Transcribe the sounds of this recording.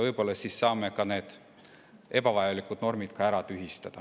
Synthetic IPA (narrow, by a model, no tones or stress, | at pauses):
vɤjpo̞lːɑsisːɑːmekɑne̞ːd̪̥ | e̞bɑvɑjɑlikːˑud̪̥no̞rmid̪̥kɑæɾɑt̪yɦist̪ɑd̪̥ɑ